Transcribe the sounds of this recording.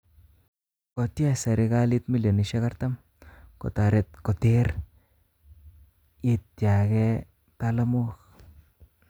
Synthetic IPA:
ko˨t̪ja˦sa˨ɾe˧ɡa˦li˦˧t̪mi˦ljo˨ni˨ʃe˦ka˦ɾt̪a˦m | ko̰˨t̪a˨ɾe˧t̪̚ko˨t̪e˦ɾ | i˧t̪ja˨ɡe˦ | t̪a˦˧la˦mu˦k

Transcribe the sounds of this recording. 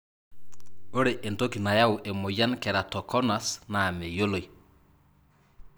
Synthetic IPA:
o˦ɾe˨ʔe˨nto˦ki˨na˨ja˦ʊ˨ʔe˨mʊ˨ja˦nkɛ˨ɾa˨tɔ˨kɔ˦na˨sna˨me˨jo˦lo˨i˨

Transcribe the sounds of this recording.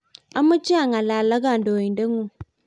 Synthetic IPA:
a˦mu˦t͡ʃi˦a˦˨ŋa˨la˨la˦ɡa˦˨ndo˨i˨nde˦ŋu˦˨

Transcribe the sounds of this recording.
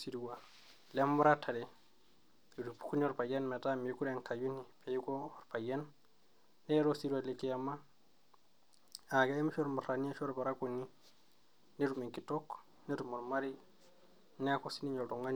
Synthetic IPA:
si˨ɾi˨wa˨ | le˦mːu˦ɾa˦tʰa˨ɾe˨ | ɾi˨du˨pu̥˨˦ku˦ni˦o˦ɾpa˨je˦nmɛ˨ta˦mi˨˦ku˦ɾe˨ŋka˨ju˦ni˨pe˨i˦ko˦˨ɾpa˨je˦nː | e˦ɾo˦si˦ɾi˦wa˨le˨ki˦a˨ma˦ | a˨ɡa˦e˦mi˦ʃo˦ɾmu˨ɾa˨ni˦a˦ʃo˦ɾba˨ɾa˦ku˨ni˦ | ne˦ɾu˨me˨ŋki˨to˦k | ne˦ɾu˨mo˨ɾma˦ɾi˦ | n˦ko˦si˦ni˦ɲo˨to˨ŋa˦n˨

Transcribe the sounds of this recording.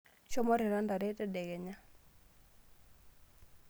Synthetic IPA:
ʃɔ˦mɔ˦ɾɛ˨ɾa˦nda˨ɾɛ˦tɛ˦ɗɛ˨ɣɛ˨ɲa˦

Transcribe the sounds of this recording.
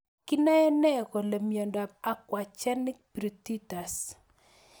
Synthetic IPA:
ki˦na˦ɛ˦nɛ˦˨ko˨le˨mjo˨nda˨a˨kwa˨t͡ʃɛ˦nɪ˦k̚pɾi˨ti˦ta˨s

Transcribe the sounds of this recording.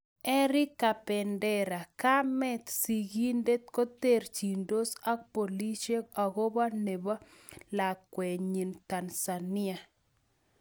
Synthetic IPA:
ɛ˦ɾɪ˦kːa˨pɛ˨ndɛ˦ɾa˨ka˦mɛ˦t̪si˨ɡi˦nde˦t̪̚ko˦t̪e˦˨ɾt͡ʃi˨ndo˦sa˦k̚po˨li˦ʃe˦a˨ɡo˦ba˦ne˨ba˦la˨kwɛ˨ɲi˨nt̪a˨nsa˨nɪ˦a˨

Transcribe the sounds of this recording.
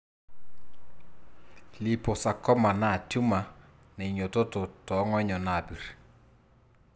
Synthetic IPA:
li˨po˨sa˨kɔ˦ma˨na˦˨tju˦ma˨ | nɛ˨ɲo˨to˦to˨tɔ˨˦ŋɔ˦ɲɔ˨na˨bi˨ɾ

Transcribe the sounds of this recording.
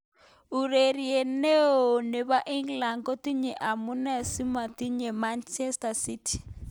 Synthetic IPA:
u˨ɾe˨ɾi˨e˨ne˦o˨ne˨βa˦ʔi˦ŋɡla˨ŋɡɔ˦ti˦ɲɛ˨ʔa˨mu˦nɛ˦si˦ma˨ti˦ɲɛ˨ma˦nt͡ʃɛ˦sta˨si˦tʰi̥˨

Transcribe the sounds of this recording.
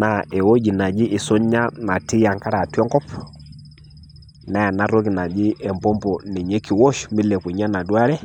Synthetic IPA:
na˨ʔɛ˨wo˦d͡ʒi˨na˨d͡ʒi˦ʔi˨sɔ˦ɲa˦na˨ti˦ja˨ŋka˦ɾa˨tɔ˦ŋkɔ˦p | na˦ja˨na˦ɾo˦ki˨na˨d͡ʒi˦ɛ˨mpɔ˦mpɔ˨ni˨ɲe˦kːi˨wɔ˦ʃmbɪ˦lɛ˨ku˨ɲa˦na˨du˦a˦ɾɛ˦

